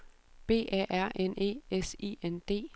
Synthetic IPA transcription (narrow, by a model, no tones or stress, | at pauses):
b̥e̝̰ːʔæ̰ʔæɐ̰ene̝̰ːesḭːend̥e̝̰ː